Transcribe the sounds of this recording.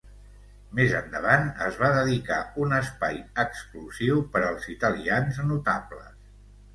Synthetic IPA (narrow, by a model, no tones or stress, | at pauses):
mezənd̪əβ̞anə̰zβ̞aðəðika̰unəspajəkskluziwpəɾəlˠzit̪əlianznut̪aplə̰